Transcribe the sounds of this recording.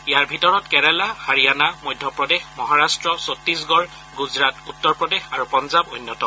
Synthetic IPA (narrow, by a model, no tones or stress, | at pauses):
ijaɹbʱitɔɹɔtkɛɹɛlahaɹianamojdʱjɔpɹɔdexmɔɦaɹastɹɔsotɹis̬ɡɔɹ | ɡuzɹatutːɔɹpɹɔdexaɹupɔnzabo̰jnːɔtɔ